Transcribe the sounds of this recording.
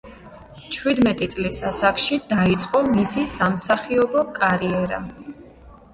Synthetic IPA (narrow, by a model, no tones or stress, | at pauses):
t͡ʃʰwid̪mɛt̪ʼit̪sʼlisasakʰʼʃid̪̥ait̪sʼqʼɔmisisamsaχiɔbɔkʼaɾiɛɾa̰